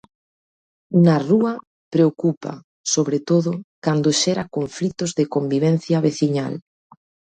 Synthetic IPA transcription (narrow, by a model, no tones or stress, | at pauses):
naruɐ | pɾeokupa̰ | soβɾet̪oðʊkand̪oʃɛɾakoɱflit̪ozðekombiβ̞ɛn̟θjaβeθiɲa̰l